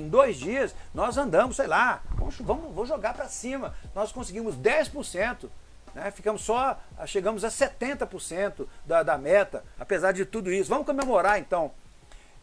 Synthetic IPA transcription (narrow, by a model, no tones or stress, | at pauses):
ẽj̃d̪ojzd͡ʒiɐsnɔzɐ̃nd̪ɐ̃mʊsejlavɐ̰̃mʊʃvɐ̃mʊvõw̃ʒoɡaɾpɾɐsĩmɐnɔskõsɪɡĩmʊzd̪ɛspʊɾsẽnt̪ʊ | nɛfikɐ̃mʊsːɔʃeɡɐ̃mʊzɐset̪ẽnt̪ɐpʊɾsẽnt̪ʊd̪ɐd̪ɐmɛt̪ɐa̰pezaɾd͡ʒɪt̪ud̪ʊisʊvɐ̃mʊkõmemoɾaɾẽnt̪ɐ̃w̃